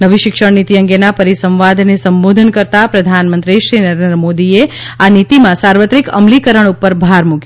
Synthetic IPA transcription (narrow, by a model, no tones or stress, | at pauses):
nəʋiʃɪkʃənit̪iəŋɡenapəɾisə̃mʋad̪ʱnesəmbod̪ʱənkəɾt̪apɾəd̪ʱanmə̃nt̪ɾiʃɾinəɾend̪ɾəmod̪ie | anit̪imãsaɾʋət̪ɾikəmlikəɾəɳ̃upːəɾbʱaɾmuk